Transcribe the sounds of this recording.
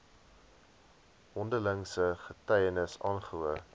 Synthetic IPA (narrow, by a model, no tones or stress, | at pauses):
ɦɔndələŋsəχətɛjənəsɑːnχəuə